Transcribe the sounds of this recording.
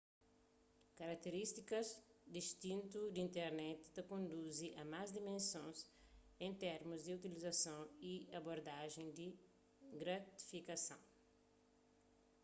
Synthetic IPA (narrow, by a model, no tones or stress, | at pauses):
kɐɾak̚t̪eɾist̪ikɐzd̪ist̪ĩnt̪ud̪ĩnt̪ɛɾnɛt̪t̪ɐkõnd̪uziʔɐmazd̪imẽnsõnsẽnt̪ɛɾmuzd̪iut̪ilizɐsɐ̃w̃iɐboɾd̪aʒẽd̪i | ɡɾat̪i̥fikɐsɐ̰̃w̃